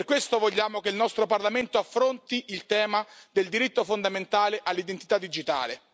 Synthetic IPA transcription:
perkwest̪ovoʎːaːmokeilnɔst̪ɾoparlament̪oafːɾont̪iilt̪ɛːmad̪eld̪iɾit̪ːofond̪ament̪aːleʔalːid̪ent̪i̥t̪ad̪ːid͡ʒit̪a̰ːle

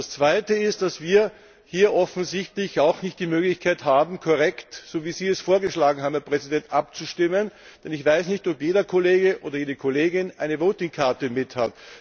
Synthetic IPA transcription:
dast͡sv̥aɪtəɪst̚d̥asv̥iːɐ | hiːɐʔɔfn̩zɪçtlɪçaʊxnɪçt̚d̥iːmøːɡlɪçkʰaɪthaːbm̩kʰoʁɛktsoːviːziːɛsfoːɐɡəʃlaːɡŋ̩haːbmhɛɐpʁ̥ɛzidɛntʔap̚t͡suʃtɪmənd̥ɛnɪçv̥aɪsnɪçtɔpjeːɾɐkʰoleːɡəʔoːdɐjeːdəkʰoleːɡɪnaɪnəvoːtɪŋkʰaɐtəmɪthat

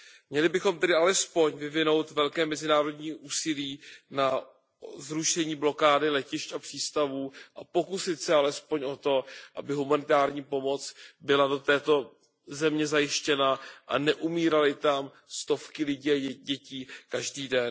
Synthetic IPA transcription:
mɲɛlɪbɪxo̞mt̪ɛdɪalɛspo̞ɲvɪvɪno̞wt̪vɛlkɛːmɛzɪnaːɾo̞dɲiːʔuːsɪliːna | zɾuʃɛɲiːblo̞kaːdɪlɛcɪʃcapr̥iːst̪avuːʔapo̞kusɪt̪sɛalɛspo̞ɲʔo̞t̪o̞ʔa̰bɪɦumanɪt̪aːɾɲiːpo̞mo̞t͡sbɪlado̞t̪ɛːt̪o̞ | zɛmɲɛzajɪʃcɛnaʔa̰nɛʔumiːɾalɪt̪am | st̪o̞fkɪlɪɟiːaɟɛciːkaʒdiːdɛn

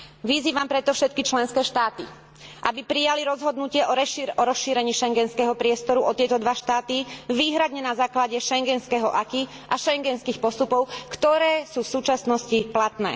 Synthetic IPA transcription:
ʋiziːʋampɾɛt̪ɔfʃɛt̪̚kit͡ʃlɛnskɛːʃt̪aːt̪ḭ | ʔabipɾijaliɾɔzɦɔd̪nucɪɛʔɔɛɔɾɔsʃiːɾɛɲiːʃɛŋɡɛnskɛɦɔpɾɪɛst̪ɔɾuʔɔt̪ɪɛt̪ɔd̪ʋaʃt̪aːt̪iʋiːɦɾad̪ɲɛnazaːklaɟɛʃɛŋɡɛnskɛɦɔʔaki | ʔaʃɛŋɡɛnskiːxpɔst̪upɔʊkt̪ɔɾɛːsuːfsuːt͡ʃasnɔsciplat̪nɛ̰ː

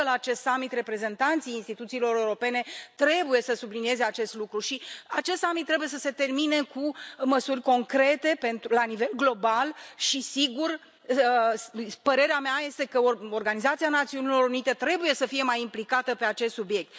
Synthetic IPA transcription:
əlaːt͡ʃe̞st̪samːit̪re̞pɾe̞ze̞nt̪ant̪sijinst̪it̪ut̪siːlo̞ɾeuɾo̞pe̞ne̞t̪ɾe̞buje̞səsublinije̞ze̞at͡ʃe̞st̪lukɾuʃiat͡ʃe̞st̪samit̪ːɾe̞buje̞səse̞t̪e̞rmine̞kuməsurʲko̞ŋkɾe̞t̪e̞pe̞nt̪ɾulanive̞lɡlo̞balʃisiɡur | spəɾe̞ɾeameaje̞st̪e̞kəoo̞rɡanizat̪sianat̪siunilo̞ɾunit̪e̞t̪ɾe̞buje̞səfije̞majimplikat̪əpe̞at͡ʃe̞st̪subije̞k̚t̪

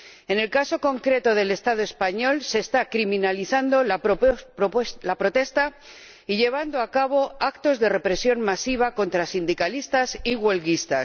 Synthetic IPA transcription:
e̞ne̞lkaso̞ko̞ŋkɾe̞t̪o̞ðe̞le̞st̪aðoe̞spaɲo̞lse̞ːst̪akɾimĩnaliθand̪ola | lapɾo̞t̪e̞st̪a | iʎe̞β̞and̪oakaβo̞akt̪o̞zðe̞re̞pɾe̞sjo̞ŋmasiβ̞ako̞nt̪ɾasind̪ikalist̪asiɣwe̞lɣist̪a̰

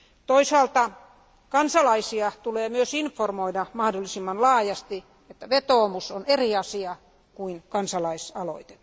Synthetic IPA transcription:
t̪oisɑːlt̪ɑ | kɑnsɑlɑisiɑt̪uleːmyøsinformoidɑmɑhdolːˑisimːɑnlɑːjɑst̪i | et̪ːæʋet̪oːmusoneriɑsiɑ | kuinkɑnsɑlɑisɑlo̰it̪e̥t̪ː

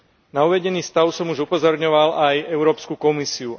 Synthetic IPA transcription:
nauʋɛɟɛniːst̪aʊsɔmuʒupɔzɔɾɲɔʋalajɛʊɾɔːpskukɔmisiu

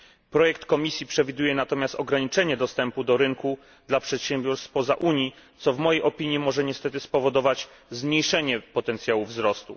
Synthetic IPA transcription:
pɾɔjɛkt̪kɔmʲisʲjipʂɛvʲid̪ujɛnat̪ɔmʲjast̪ɔɡɾaɲit͡ʂɛɲɛd̪ɔst̪ɛmpud̪ɔɾɘŋku | d̪lapʂɛt̪ɕɛmbʲjɔɾst̪pɔza̰ʔuɲji | t̪sɔvmɔjejʔɔpʲiɲjimɔʐɛɲɛst̪ɛt̪ɘspɔvɔd̪ɔvat͡ɕ | zmɲejʂɛɲɛpɔt̪ɛnt̪sʲjawuvzɾɔst̪u

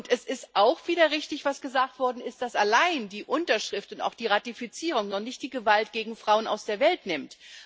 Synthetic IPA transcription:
ʊntɛsɪstʔaʊxv̥iːdɐʁɪçtɪçv̥asɡ̥əzaːk̚tv̥ɔɐdn̩ɪst̚d̥asalaɪndiːʔʊntɐʃʁ̥ɪftʊnta̰ʊxd̥iːʁatifit͡siːʁ̞ʊŋnɔχnɪçt̚d̥iːɡəvaltɡ̥eːɡŋ̩fʁ̥aʊəna̰ʊsd̥eːɐvɛltnɪmt

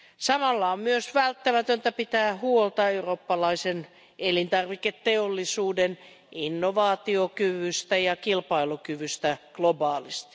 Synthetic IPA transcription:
sɑmɑlːɑommyøsʋælt̪ːæmæt̪ønt̪æpit̪æːhuolt̪ɑeuroːpːɑlɑisen | elint̪ɑrʋiket̪teolːisuːden | inːoʋɑːt̪iokyʋyst̪æjɑkilpɑilukyʋyst̪æklobɑːlist̪i̥

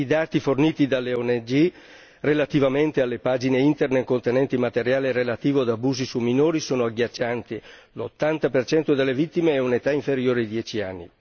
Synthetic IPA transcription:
id̪aːt̪iforniːt̪id̪alːeɔned͡ʒi | relat̪ivament̪ealːepaːd͡ʒineint̪ernekːont̪enɛnt̪imat̪eɾjaːleɾelat̪iːvoad̪abuːzisumːinoːɾisoːnoaɡjat͡ʃːant̪i | lot̪ːant̪apert͡ʃɛnt̪od̪elːevit̪ːimeɛunet̪aiɱfeɾjoːɾeid̪jɛt͡ʃianːḭ

